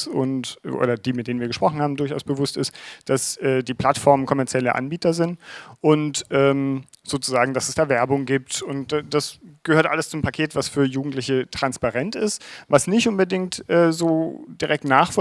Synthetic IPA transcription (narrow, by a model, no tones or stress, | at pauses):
ʊ̰ntʔo̰ːdɐd̥iːmɪt̚d̥eːnviːɐɡəʃpʁ̥ɔχn̩haːbm̩dʊɐça̰ʊsb̥əvʊstɪstd̥asʔɛːdiːpl̥atfɔɐmənkʰɔmɛɐt͡sjɛləʔa̰nbiːtɐzɪntʔʊntʔɛːm | z̥oːt͡suzaːɡŋ̩d̥asɛsd̥aːvɛɐbʊŋɡiːp̚tʊntd̥ad̥asɡ̥əhøːɐtʔa̰ləst͡sʊmpʰakʰeːtv̥asfyːɐjuːɡŋ̩tlɪçətʁ̥anspaʁɛntɪstvasnɪçtʔʊnbədɪŋtʔɛːzoːd̥iʁɛk̚tnaːχfɔ